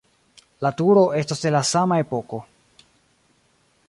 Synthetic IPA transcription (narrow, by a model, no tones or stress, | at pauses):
latuɾo̞ʔe̞staselasamae̞po̞ko̞